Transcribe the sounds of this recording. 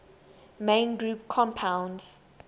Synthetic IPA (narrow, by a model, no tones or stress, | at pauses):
mẽnɡɹup̚kʰɔ̃mpʰãw̃ndz̥